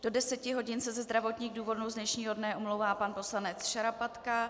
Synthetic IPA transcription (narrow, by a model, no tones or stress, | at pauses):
d̥o̞dɛsɛcɪɦo̞ɟɪnsɛzɛzd̪ɾavo̞t̪ɲiːɣduːvo̞dnowzdnɛʃɲiːɦo̞dnɛʔumlowvaːpanpo̞slanɛt͡sʃaɾapat̪ka